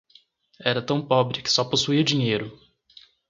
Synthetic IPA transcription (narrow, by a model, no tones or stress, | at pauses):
ɛɾɐt̪ɐ̃w̃pɔbɾɪkɪ̥sɔposuiɐd͡ʒiɲejɾʊ